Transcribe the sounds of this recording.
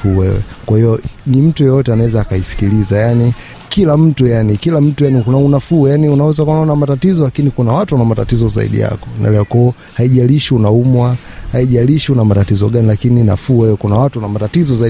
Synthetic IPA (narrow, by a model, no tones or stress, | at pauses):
uwɛɛ̰kwahijɔnim̩tujɔjɔtɛanawɛzaːkaisi̥kilizajani | kilam̩tujanikilam̩tujanikunaunafujaniunawɛzakuanaɔnamatatizɔlakinikunawatuwanamatatizɔza̰ḭɗḭja̰kɔ̥na̰lɛɔkwɔɔ | haiʄaliʃiunaumwahaiʄaliʃiunamatatizɔɠanilakinina̰fuːwɛjɔkunawatuwanamatatizɔza